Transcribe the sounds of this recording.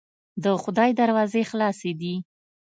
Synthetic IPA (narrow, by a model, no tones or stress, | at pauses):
d̪əxʊd̪ɑjd̪aɾwɑzexlɑsed̪i